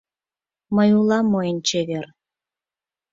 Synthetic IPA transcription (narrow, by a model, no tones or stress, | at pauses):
məjulˠɑmojənʲt͡ɕeβer